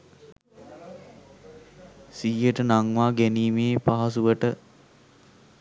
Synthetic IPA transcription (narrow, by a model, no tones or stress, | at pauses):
siːjəʈənaŋʋaːɡæniːmeːpaɦasuʋəʈə